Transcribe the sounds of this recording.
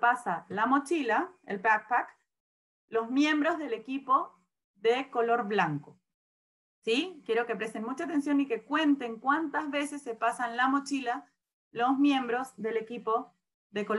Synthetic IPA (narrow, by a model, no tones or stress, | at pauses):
pasalamo̞t͡ʃilaḛlpak̚pak | lo̞zmjẽ̞mbɾo̞zðe̞le̞kipo̞ | ðeko̞lo̞ɾβlaŋko̞ | sikjeɾo̞ke̞pɾe̞st̪enmut͡ʃaːt̪e̞nsjo̞nike̞kwe̞nt̪e̞ŋkwant̪azβe̞se̞sːe̞pasanlamo̞t͡ʃila | lo̞zmjẽ̞mbɾo̞zðe̞le̞kipo̞ | ðe̞ko